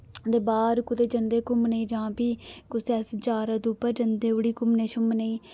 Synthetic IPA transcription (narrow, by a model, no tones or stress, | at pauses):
d̪eːbaːɾkʊt̪eːd͡ʒənd̪eːkʊmnəĩːd͡ʒãːpiːkʊsɛːst͡ʃaːɾəd̪uːpəɾd͡ʒənd̪eːʊɽiːkʊmneːʃʊmnəĩː